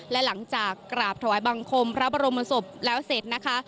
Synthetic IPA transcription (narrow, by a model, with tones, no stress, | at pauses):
lɛ˦˥la˩˦ŋt͡ɕaː˨˩kːɾaː˨˩p̚t̪ʰa˧waː˩˦jba˧ŋkʰo˧mpʰɾa˦˥baː˧ɾo˧mːa˧so˨˩p̚lɛː˦˥wse˨˩t̪̚na˦˥kʰa˦˥